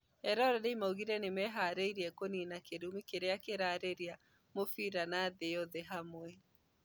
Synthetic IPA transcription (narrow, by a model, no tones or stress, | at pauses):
hɛɾɔɾɔðeimauɣiɾɛnemɛɦaːɾeiɾiɛkoninakeɾumikeɾeakeɾaːɾeɾia | mofiɾanaðeɔðeɦamwɛ